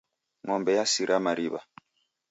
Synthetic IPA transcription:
ŋɔmbɛjasiɾʔamaɾiβa̰

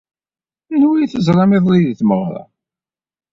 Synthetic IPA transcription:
ænwijθəzˤɾˤɑmeðˤliðiθməʁɾˤɑ̰

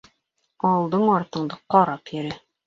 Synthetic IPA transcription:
ɒ̆lˠd̪ɤɴɒɾt̪ɤ̆ɴd̪ɤqɒɾɑpjɘ̆ɾæ

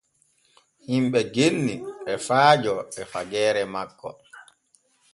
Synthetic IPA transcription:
himɓɛɡenːiɛfaːd͡ʒɔɛfaɡɛːɾɛmakːɔ̰

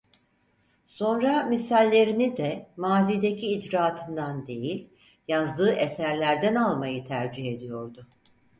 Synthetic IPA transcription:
so̞nɾamisælʲːe̞ɾinid̪ɛmaːziːd̪ecʰiːd͡ʒɾaːt̪ʰɯnd̪and̪e̞jilʲ | jazd̪ɯːʔesæɾlʲæɾd̪ænalˠmajɯt̪ʰæɾd͡ʒiɦe̞d̪ijo̞ɾd̪ʊ

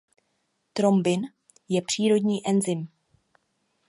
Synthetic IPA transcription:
t̪ɾo̞mbɪn | jɛpr̥iːɾo̞dɲiːʔɛnzɪm

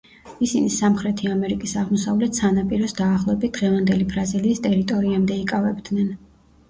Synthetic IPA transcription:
isinisamχɾɛt̪ʰiamɛɾikʼisaʁmɔsavlɛt̪sanapʼiɾɔsd̪aːχlˠɔɛbit̪̚d̪̥ʁɛvand̪ɛlibɾaziliːst̪ʼɛɾit̪ʼɔɾiamd̪ɛikʼavɛbd̪nɛn

